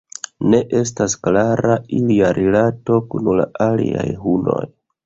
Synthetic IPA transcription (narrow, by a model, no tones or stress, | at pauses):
ne̞ʔe̞s̬tasklaɾailiaɾʔilato̞kunulaʔalia̰jɦuno̞j